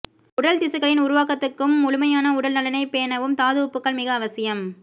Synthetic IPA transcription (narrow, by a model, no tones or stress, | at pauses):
ʊɽɐlt̪ɪsɐɣɐɭɪnʊɾʊʋaːkɐt̪ːɯkːɯmʊlʊmɐjaːnɐʊɽɐlnɐlɐnɐɪpeːɐnɐʋɯmt̪aːðɯʋʊpːɯkːɐɭmɪɣɐːʋɐsɪjɐm